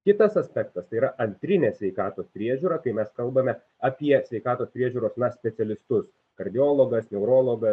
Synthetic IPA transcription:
kʲɪt̪ɐsɐsʲpʲɛkt̪ɐst̪ɐɪiːɾɐʔɐnʲt̪ʲɾʲɪnʲeːsʲʋʲɛɪkɑːt̪oːspʲɾʲiɛʒʲuːɾɑːkɐɪmʲɛskɐlˠbɐmʲɛ | ɐpʲiɛsʲʋʲɛɪkɑːt̪oːspʲɾʲiɛʒʲuːɾoːsnɐsʲpʲɛt̪ʲɛlʲɪst̪ʊs | kɐɾʲd̪ʲɪoːlˠoːɡɐsnʲɛʊɾoːlˠoːɡɐ

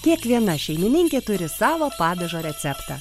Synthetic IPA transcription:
kʲiɛkʋʲiɛnɐʃʲɛɪmʲɪnʲɪŋʲkʲeːt̪ʊɾʲɪsɑːʋoːpɑːd̪ʲɐʒoːɾʲɛt̪sʲɛpt̪ɑ̰

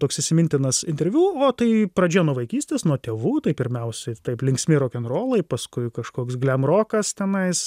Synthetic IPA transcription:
t̪oːksɪʃsʲɪmʲɪnʲt̪ʲɪnɐsɪnʲt̪ʲɛɾʲʋʲuːoːt̪ɐɪpɾɐd͡ʒʲejɛnuɔʋɐɪkʲiːsʲt̪ʲeːsnuɔt̪ʲeːʋuːt̪ɐɪpʲɪɾʲmʲɛʊsʲɛɪt̪ɐɪplʲɪŋksʲmʲɪɾoːkʲɛnroːlˠɐɪpɐskʊɪkɐʃkoːksɡlʲɛmroːkɐst̪ʲɛnɐɪs

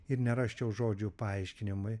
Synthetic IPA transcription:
ɪɾnʲɛɾɑʃʲt͡ʃʲɛʊʒoːd͡ʒʲuːpɐɐɪʃʲkʲɪnʲɪmʊj

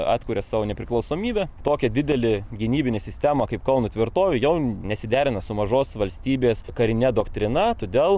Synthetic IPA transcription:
ɑ̰ːt̪ʲkuːɾʲɛsɑːʋoːnʲɛpʲɾʲɪklˠɐʊsoːmʲiːbʲɛt̪oːkʲɛdʲɪd̪ʲɛlʲɪɡʲɪnʲiːbʲɪnʲeːsʲɪsʲt̪ʲæmɐkɐɪpkɐʊnʊt̪ʲʋʲɪɾt̪oːʋʲʊjɛʊnʲɛsʲɪd̪ʲæːɾʲɪnɐsʊmɐʒoːsʋɐlʲsʲt̪ʲiːbʲeːskɐɾʲɪnʲɛd̪oːkt̪ʲɾʲɪnɐt̪oːd̪ʲeːlˠ

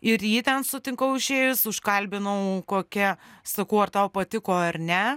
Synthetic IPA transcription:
ɪɾjiːt̪ʲɛnsʊt̪ʲɪŋkɐʊɪʃʲeːʋɪsʊʃkɐlʲbʲɪnɐʊkoːkʲɛsɐkɐʊɐrt̪ɐʊpɐt̪ʲɪkoːɐrnʲɛ

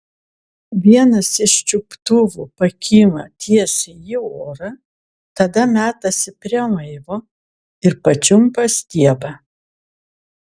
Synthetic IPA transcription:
ʋʲiɛnɐsɪʃt͡ʃʲʊpt̪ʊʋʊpɐkʲʰiːmɐt̪ʲiɛsʲɪjɪoːɾɐ | t̪ɐd̪ɐmʲæːt̪ɐsʲɪpʲɾʲimɐɪʋoː | ɪɾpɐt͡ʃʲʊmpɐsʲt̪ʲiɛbɐ

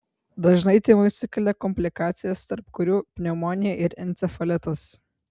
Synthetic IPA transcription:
d̪ɐʒnɐɪt̪ʲɪmɐɪsʲʊkʲɛlʲɛkɔmʲpʲlʲɪkɑːt̪sʲɪjɛst̪ɐɾpkʊɾʲuːpʲnʲɛmoːnʲɪjɛʔɪɾɛnʲt̪sʲɛfɐlʲɪt̪ɐs

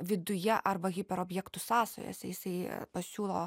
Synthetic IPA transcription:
ʋʲɪd̪ʊjɛʔɐɾbɐɣʲɪpʲɛɾoːbʲjɛkt̪ʊsɑːso̰ːjɛ̰sʲɛjɪsɐɪpɐsʲuːlˠo̰ː

